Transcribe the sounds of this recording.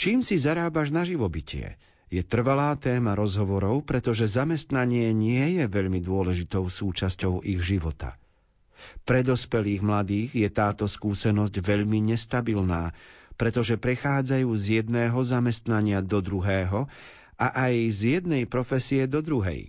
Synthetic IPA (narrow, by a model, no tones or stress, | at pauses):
t͡ʃiːmsizaɾaːbaʒnaʒiʋɔbicɪɛ̰ | jɛt̪r̩ʋalaːt̪ɛːmaɾɔzɦɔʋɔɾɔʊpɾɛt̪ɔʒɛzamɛst̪naɲɪɛɲɪɛjɛʋɛʎmid̪ʊɔlɛʒit̪ɔʊsuːt͡ʃascɔʊʔiɣʒiʋɔt̪a̰ | pɾɛd̪ɔspɛliːɣmlad̪iːɣjɛt̪aːt̪ɔskuːsɛnɔzɟʋɛʎmiɲɛst̪abilnaːpɾɛt̪ɔʒɛpɾɛxaːd͡zajuːzjɛd̪nɛːɦɔzamɛst̪naɲɪad̪ɔd̪ɾuɦɛːɦɔ | ʔaʔajzjɛd̪nɛjpɾɔfɛsijɛd̪ɔd̪ɾuɦɛ̰j